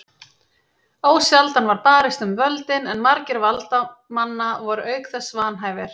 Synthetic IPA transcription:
oːwsjalt̪anvaɾpaːɾɪst̪ʏmvœlt̪ɪnɛnmaɾcɪɾvalt̪amanːavɔɾʏœːɥkθɛsvaːnɦaːjvɪɾ̥

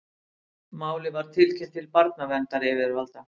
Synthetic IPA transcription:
maːwlɪvaɾ̥t̪ʰɪlcʰɪnt̪ʰɪlpaɾt̪navɛnt̪aɾɛvɪɾvalt̪a

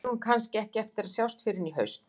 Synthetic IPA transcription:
unkʰanscɪɛhcɪɛft̪ɪɾaðsjawst̪fɪɾɪniɦœɥst̪n

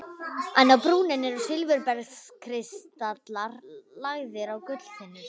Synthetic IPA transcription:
ɛnːawpɾuːnɪnːɪɾɔsɪlvɪɾpɛɾskʰɾɪst̪at̪laɾlaɣðɪɾawkʏt̪l̥θɪnːʏɾ̥

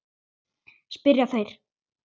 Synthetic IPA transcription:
spɪɾjafejɾ̥

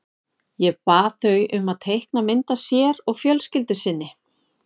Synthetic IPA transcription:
jɛpaːθœɥʔʏmaðt̪ʰejhknamɪnt̪asjɛɾɔɣfjœlscɪlt̪ʏsɪnːɪ

